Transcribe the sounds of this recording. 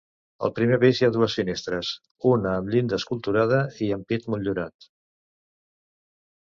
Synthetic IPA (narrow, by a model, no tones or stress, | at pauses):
ə̰lˠpɾimeβizjaðuəsfinest̪ɾəs | unəːmʎind̪əskulˠt̪uɾaðəiəmpit̪muʎuɾat̪